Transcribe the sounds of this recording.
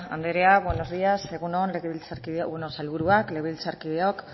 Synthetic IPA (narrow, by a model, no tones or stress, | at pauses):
a̰nd̪eɾeaβweno̞zðiase̞ɣunonleɣeβilt͡saɾkiðeenosalβuɾuakleɣβilt͡saɾkiðeok